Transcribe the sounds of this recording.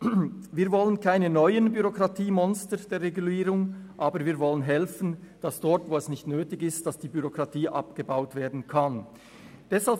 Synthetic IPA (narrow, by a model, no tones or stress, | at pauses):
viːɐvɔlənkʰaɪnənɔʏənbyʁokʁɑtʰiːmɔnstəd̥eːɐʁeɡuliːɾʊŋʔaːbəviːɐɾvɔlənɦɛlfən̩d̥asd̥ɔɐtvoːɛsnɪçtnøːtɪɡɪstd̥asd̥iːbyʁokʁ̥ɑtʰiːʔɑ̰pɡ̥əbaʊtv̥eːɐdn̩kʰan | d̥ɛshal